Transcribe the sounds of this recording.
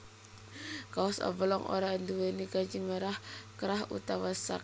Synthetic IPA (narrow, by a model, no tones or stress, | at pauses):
kaɔsɔ̰bəlɔŋʔo̰ɾand̪uwenikad͡ʒiŋməɾahkəɾaɦṵt̪awasa̰k̚